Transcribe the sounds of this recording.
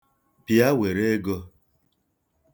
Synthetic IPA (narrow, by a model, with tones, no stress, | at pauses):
pja˦we˨ɾe˦ɡo˦